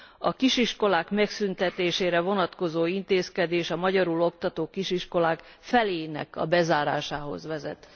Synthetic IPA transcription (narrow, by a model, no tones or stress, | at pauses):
ɒkiʃiʃko̞laːkmɛksynt̪ɛt̪eːʃeːɾɛvo̞nɒt̪ko̞zoːint̪eːskɛd̪eːʃɒmɒɟɒɾulo̞kt̪ɒt̪oːkiʃiʃko̞laːk | fɛleːnɛ̰kɒ̰bɛzaːɾa̰ːʃaːɦo̞̰zʋɛzɛ̰t̪